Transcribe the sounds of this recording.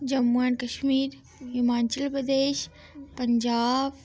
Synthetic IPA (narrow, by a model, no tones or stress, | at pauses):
d͡ʑɐmuənkɐʃmiːɾ | jumaːnt͡ɕəlpɾəd̪eːʃ | pɐɲd͡ʑaːb